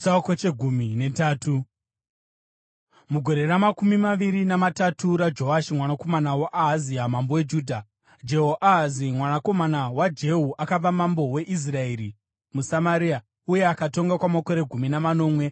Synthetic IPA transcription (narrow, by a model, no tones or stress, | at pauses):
sakot͡ʃeɡʱuminetaːtu | muɡʱo̞ɾe̞ramakumimaʋiɾinamatatʰuɾad͡ʒo̞aʃimwanako̞manawaʔaɦaziamambowed͡ʒuːdʱa | d͡ʒe̞ɦoʔaɦazimwanako̞manawad͡ʒe̞ɦuʔakab͡vamambo̞we̞ʔis̬rae̞ɾi | musamaɾiːa | uje̞akato̞ŋɡakwamakoɾe̞ɡʱuminamano̞ːmwe̞